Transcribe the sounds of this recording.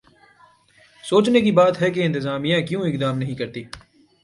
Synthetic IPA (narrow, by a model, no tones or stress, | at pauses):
soːt͡ʃnekibaːt̪ɦɛk̬eɪ̃nt̪ɪzaːmijãːkjũːɪkd̪aːmnɐɦĩːkɐɾt̪iː